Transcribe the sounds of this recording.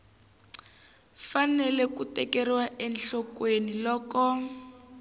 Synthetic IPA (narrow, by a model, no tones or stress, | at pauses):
fanɛlɛkutɛkɛriwaʔɛnɬɔkwenilɔːkɔ